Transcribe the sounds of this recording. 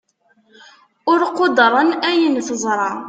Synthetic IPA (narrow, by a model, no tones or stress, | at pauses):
ʊɾqod̪ɾˤənæjənθəzˤɾˤɑ